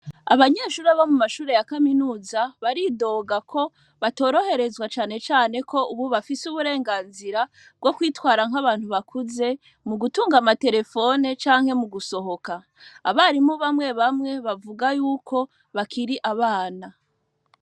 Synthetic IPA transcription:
a̰βaɲe̞ːʃuːɾaβamumaʃuːɾe̞jakaminuːzaβaɾido̞ːɡakʰo̞ | βato̞ːɾo̞he̞ɾe̞zwat͡ʃaːne̞t͡ʃaːne̞kʰo̞ʔuβuβafisuβuɾe̞ːŋɡaːnziɾa | b̚ɡo̞kwiːtwaːɾaŋ̥ɦaβaːn̥huβakʰuze̞ | muɡutuːŋɡamate̞ɾe̞fo̞ne̞t͡ʃaːŋ̥he̞muɡuso̞ho̞kaː | βaɾimuβamŋe̞βamŋe̞βavuɡajuːkʰo̞ | βakʰiɾiʔaβaːna

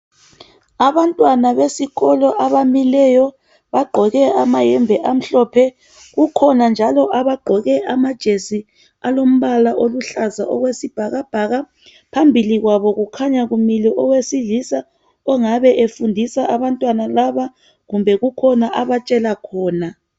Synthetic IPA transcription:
aβantʼwanaβesiɣɔlɔʔaβamilɛjɔ | βaɡ͡ǃʱɔɣɛamajɛmbʱɛʔam̩ɬɔpʰɛ | ɣukʰɔnand͡ʒʱalɔʔaβaɡ͡ǃʱɔɣɛʔamad̥ʒ̥ʱesi | alom̩βalaʔoluɬaza̰ʔɔ̰ɣwesib̥ʱaɣab̥ʱaɣa | pʰambʱiliɣwaβɔɣukʰaɲaɣumilɛʔɔwesiɮisa | ɔŋaβɛʔefundʱisaʔaβantʼwanalaβa | ɣumbʱɛɣukʰɔnaʔaβat͡ʃʼɛlakʰɔːna

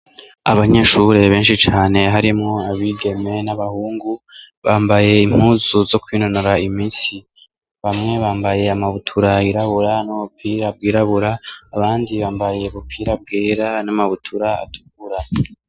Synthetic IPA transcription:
aβaɲe̞ːʃuɾe̞βe̞ːnʃit͡ʃaːne̞ɦaɾimŋo̞aβiɡe̞me̞naβahuːŋɡuβaːmbaje̞im̥huːzuzo̞kwiːnonoɾaimiːnsi | βamŋe̞βaːmbaje̞amaβutʰuɾaiɾaβuɾanuβupʰiɾab̚ɡiːɾaβuɾaːβaːndiβaːmbaje̞βupʰiːɾab̚ɡeːɾanamaβutʰuɾaa̰tʰu̥ɡuɾa

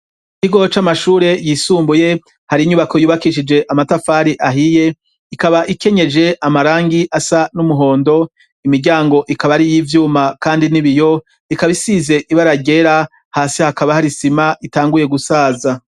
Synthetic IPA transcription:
kiɡo̞t͡ʃamaʃuːɾe̞jisuːmbuje̞ | haɾiɲuβako̞juːβakiʃid͡ʒe̞ʔamatafaːɾiʔaɦije̞ | ikaβaʔike̞ɲe̞d͡ʒe̞ʔamaɾaːŋɡiʔasanumuɦo̞ːndo̞ | imiɾɟaːŋɡo̞ʔikaβaɾijivjuːmakaːndiniβijo̞ | ikaβisize̞ʔiβaɾaɟe̞ɾa | haːsihakaβahaɾisimaʔitaːŋɡuje̞ɡusaːza

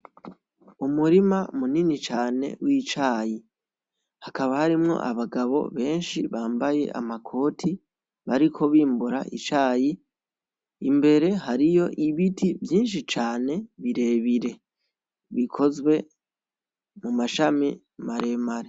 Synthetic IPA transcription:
umuɾimamuninit͡ʃaːne̞̰wiːt͡ʃaːji | hakaβahaɾimŋo̞̰ʔa̰βaɡaβo̞̰βe̞ːnʃiβaːmbaje̞̰ʔa̰makʰo̞ːtʰi | βaɾikʰo̞βiːmbuɾa̰ʔḭt͡ʃaːji | imbe̞ɾe̞ɦaɾijo̞ʔiβitivjiːnʃ̬it͡ʃaːne̞βiɾe̞βiɾe̞ | βikʰo̞zwe̞ | mumaʃami | maɾe̞maɾe

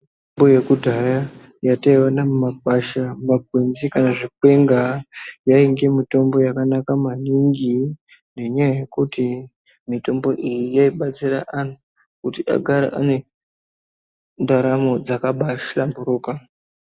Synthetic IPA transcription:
mboje̞kudʱaja | jataiwanammap̚aʃamaɡʱwenzikanaʐikwe̞ŋɡajaiŋɡemito̞mbo̞jakanakamaniŋɡi | ne̞ɲajaje̞kuti | mito̞mbo̞ʔijijaiɓat͡siɾaʔan̤u | kutiʔa̰ɡʱaɾa̰ʔa̰ne̞ | ndaɾamo̞d͡zakaɓaʃlambuɾuːka

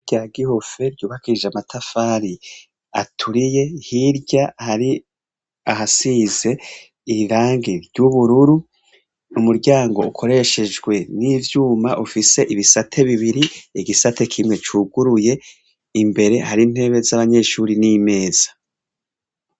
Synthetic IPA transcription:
ɟaɡiho̞fe̞ɾɟuːβakʰiʒeamatʰafaːɾi | a̰tʰuɾije̞hiɾɟahaɾi | ahasize̞ | iɾaːŋɡeɾjuβuɾuɾu | umuɾɟaːŋɡo̞ukʰo̞ɾe̞ʃe̞d͡ʒɡwe̞niːvjuːmaʔufise̞ʔiβisatʰe̞βiβiɾiiɡisate̞kʰimŋe̞t͡ʃuːɡuɾuje̞ | imbe̞ɾe̞haɾin̥he̞ːβe̞zaβaɲe̞ːʃuːɾinime̞ːz̥ḁ

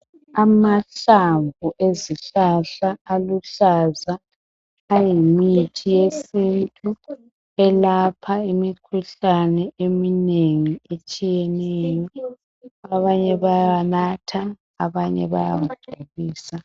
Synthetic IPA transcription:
amaɬaɱbʱuʔeziɬaɬaːluɬazaː | jimitʰijesintʼu | ɛlapʰaimikʰuɬanɛemineŋiet͡ʃʼijɛnɛːjɔ | aβaɲɛβajanatʰa | aβaɲɛ̰βa̰ja̰muɡ͡ǀʱoɣiːsa

